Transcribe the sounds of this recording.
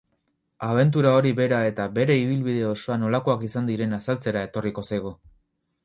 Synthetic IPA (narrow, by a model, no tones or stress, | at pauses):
aβ̞e̞nt̪̬uɾao̞ɾiβe̞ɾae̞t̪aβe̞ɾe̞iβ̞ilβiðe̞o̞so̞ano̞lako̞akisand̪iɾe̞nasalt͡se̞ɾae̞t̪o̞riko̞sajɣ̞o